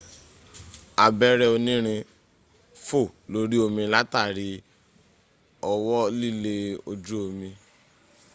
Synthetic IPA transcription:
a˨bɛ˦ɾɛ˦o˧nĩ˦ɾ̃ĩ˧ | fo˦˨lo˧ɾi˦o˧mĩ˧la˦ta˦˨ɾi˨˦ | ɔ˧wɔ˦li˦˨le˧o˧d͡ʒu˦o˧mĩ˧

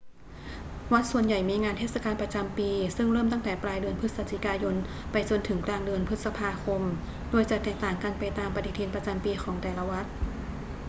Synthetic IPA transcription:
wa˦˥t̪̚su˨˩ənja˨˩jmiː˧ŋaː˧nt̪ʰeː˥˩sa˧kaː˧npɾa˧t͡ɕa˧mpiː˧sɯ˥˩ŋɾɤː˥˩mt̪a˥˩ŋt̪ɛː˨˩˦pɾaː˧jdɯ˧ənpʰɯ˦˥t̪̚sa˧t̪ʰi˧˩kaː˧jo˧n | pa˧jt͡ɕo˧nt̪ʰɯ˩˦ŋklaː˧ŋdɯ˧ənpʰɯ˦˥sa˧pʰaː˧kʰo˧m | doː˧əjt͡ɕa˨˩t̪ːɛː˨˩k̚t̪aː˨˩ŋka˧npa˧jt̪aː˧mpa˧t̪ʰi˧t̪ʰiː˧npɾa˧t͡ɕa˧mpiː˧xʰɔː˩˦ŋt̪ɛː˨˩la˧wa˦˥t̪̚

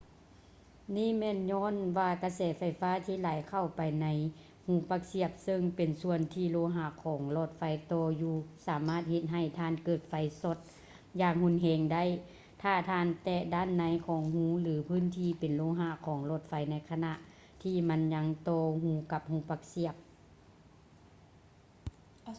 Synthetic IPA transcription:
niː˧˥˨mɛː˧˥˨nɲɔː˧˥˨nʋaː˧ka˧sɛː˨˦fa˧˩jfaː˧˥˨t̪ʰiː˧˥˨laː˨˦jkʰa˧˩wpa˨jna˧˥j | hũː˧˦paː˧k̚si˧˩əp̚sɤ˧ŋpe˨˩nsu˧˨ənt̪ʰiː˧loː˧˦ɦaː˧˨kʰɔː˨˦ŋlɔː˧˩t̪̚fa˧˦jt̪ɔː˧juː˧saː˨˦maː˧˥˩t̪̚he˧t̪̚ɦa˧˩jt̪ʰaː˧˥˨nkɤː˧˩t̪̚fa˧˦jso˧˦t̪̚ | jaː˧˨ŋhu˧˥˨nɦɛː˧˩ŋda˥˨j | t̪ʰaː˧˩t̪ʰaː˧˨nt̪ɛː˧daː˧˥˨nːa˧˦jkʰɔː˨˩˦ŋhuː˧˥lɯː˨˦pʰɯː˧˥˨nt̪ʰiː˧˨pe˨nloː˧˥ɦaː˧˨kʰɔː˨˦ŋlo˧˩t̪̚fa˧jna˧˥jkʰa˧na˧ʔ | t̪ʰiː˧˩ma˧˥nɲa˧ŋt̪ɔː˧hũː˧˦ka˧p̚hũː˧˦pa˧k̚si˧˩əp̚

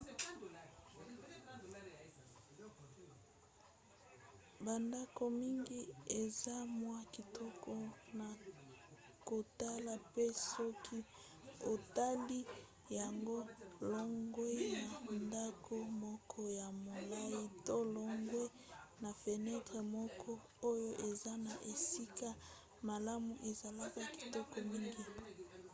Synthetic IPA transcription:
ba˨nda˦ko˨mi˦ŋɡi˦e˨za˦mwa˦ki˨tʰɔ˦kɔ˦na˨ | ko˨ta˦la˨pe˦sɔ˦kʰi˦ | o˨ta˦li˦ | ja˨ŋɡo˦lɔ˦ŋɡwe˦ja˨nda˦kʰo˦mɔ˦kʰɔ˦ja˨mo˨la˦i˦to˦lɔ˦ŋɡwe˦ | na˨pe˨nɛ˦tʁe˨mɔ˦kʰɔ˦ | o˦jo˦ʔe˨za˦na˨ʔe˨si˦ka˦ | ma˨la˦mu˨ʔe˨za˨la˦ka˨ki̥˨tɔ˦kɔ˨mi˦ŋɡi˦

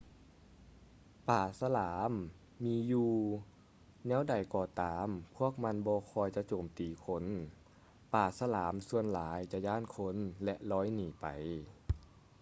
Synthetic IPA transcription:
paː˨˩sa˧laː˩˦mː | iː˧˥juː˧ | nɛː˧˥˨wda˨˩jkɔː˧˩t̪aː˨˦mpʰu˧˥˩ək̚ma˧˥nbɔː˧kʰɔː˧jt͡ɕa˧˦t͡ɕoː˨˩mt̪iː˨˩kʰo˧˥n | paː˨˩sa˧laː˩˨˦msu˧ənlaː˨˦jt͡ɕa˧jaː˧˥˩nkʰo˧˥nlɛ˧ʔlɔː˧˥˩jniː˨˩pa˨˩j

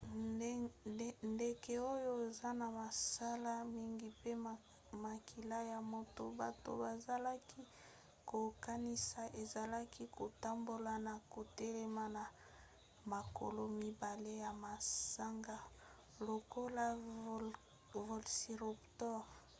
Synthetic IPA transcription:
nde˨ke˦o˦jo˦e˨za˦na˨ma˨sa˦la˦mi˦ŋɡi˦pe˦ | ma˨ki˨la˦ja˨mo˦to˦ba˨to̰˦ba˨za˨la˦kʰi˦ | ko˨ka˦ni˦sa˨ʔe˨za˨la˦ki˦ko˨ta˦mbo˦la˨na˨ko˨tɛ˦lɛ˦ma˦na˨ | ma˨ko̰˨lo˦mi˦ba˨le˦ja˨ma˨sa˦ŋɡa˦ | lo˨ko˦la˦ | vo˨lsi˨ʁu˨ptɔ˦ʁ

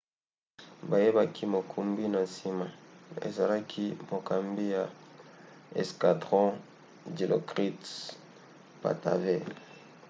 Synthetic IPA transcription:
ba˨je˦ba˦kʰi˦mo˨kʰu˨mbi˦na˨si˦ma˨ḛ˨za˨la˦kʰi˦mo˨ka˨mbi˦ja˨ | ɛ̰˨ska˨dʁɔ̃˦ | di˨lʔo̰˨kʁi˦t | pa̰˨ta̰˨ve˦˨

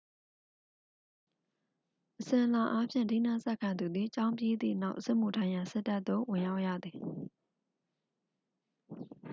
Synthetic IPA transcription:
ʔəsɪ̃˨ʔəla˨ʔa˦pʰjɪ̰̃˦˨ndi˦˨nã˦˨sɛ˦ʔkʰã˨nd̪u˨d̪ði˨t͡ɕã˦ʊ̃mpje˦d̪ḭ˦˨na˦ʊʔsɛ˦ʔm̥u˨tʰã˦jã˨sɛ˦˨tːa˦ʔ̪t̪ːo˦˨wɪ̃˨ja˦ʊʔja̰˦˨d̪ði˨

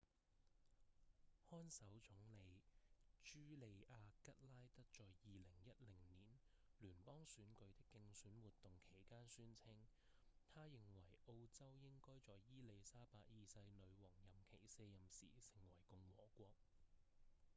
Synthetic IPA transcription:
hɔː˥nsɐ˨˥wt͡sʊ˨˥ŋle˨˧jt͡ʃyː˥le˨˧jʔaː˧kɐ˥t̚laː˥jt̪ɐ˥k̚t͡ʃɔː˨jjiː˨lɪ˨˩ŋjɐ˥t̚lɪ˨˩ŋniː˨˩n | lyː˨˩npɔː˥ŋsyː˨˥nkɵ˨˧ɥt̪ɪ˥kːɪ˧ŋsyː˨˥nwuː˨t̪ːʊ˨ŋkʰe˨˩jkaː˥nsyː˥nt͡sʰɪ˥ŋ | t̪ʰaː˥jɪ˨ŋwɐ˨˩jʔo˧wt͡sɐ˥wjɪ˥ŋkɔː˥jt͡sɔː˨jjiː˥le˨˧jsaː˥paː˧k̚jiː˨˧sɐ˧jlɵ˨˧ɥwɔː˨˩ŋjɐ˨˩mkʰe˨˩jseː˧jɐ˨msḭː˨˩sɪ˨˩ŋwɐ˨˩jkʊ˧ŋwɔː˨˥kʷɔː˧k̚

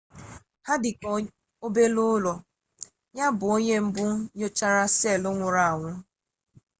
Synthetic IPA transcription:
ha˦dɪ˨kɔ˦ | o˦be˦lʊ˦lɔ˨ | ɲa˦bʊ˨o˦ɲe˦m̩˦bʊ˦ɲo˦t͡ʃa˦ɾa˦se˦˨lʊ˦ŋʷʊ˨ɾa˨a˨ŋʷʊ˦

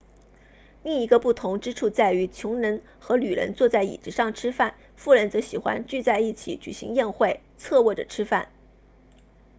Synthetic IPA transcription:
li˥˩ŋi˧˥ɡə˧pu˥˩t̪ʰʊ˧˥ŋʈ͡ʂɻ̩˥ʈ͡ʂʰu˥˧t͡sa˥˩ɪy˧˥t͡ɕʰjʊ˧˥ŋɻə˧˥n | xɤ˧˥ly˨˩ɻə̰˧˥nt͡swɔ˥˧t͡sa˥˩ɪḭ˨˩ʈ͡ʂɻ̩˧˥ʂɑ˥˩ŋʈ͡ʂʰɻ̩˥fa˥˩n | fu˥˩ɻə˧˥nt͡sɤ˧˥ɕi˨˩xwa̰˥nt͡ɕy˥˧t͡sa˥˧ɪi˥˩t͡ɕʰḭ˨˩˥t͡ɕy̰˨˩ɕḭ˧˥ŋjɛ˥˧nxwe˥˩ɪ | t͡sʰɤ˥˧wɔ˥˩ʈ͡ʂə̰˨˩ʈ͡ʂʰɻ̩˥fa̰˥˩n

